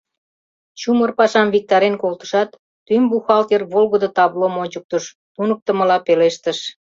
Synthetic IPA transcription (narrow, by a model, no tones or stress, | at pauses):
t͡ɕumərpɑʃɑmβik̚t̪ɑɾenkolt̪ə̥ʃɑt̪ː | ymbuxɑlt̪erβolɣəd̪ot̪ɑβlomonʲt͡ɕək̚t̪əʃ | t̪unək̚t̪ə̆məlɑpeleʃt̪əʃ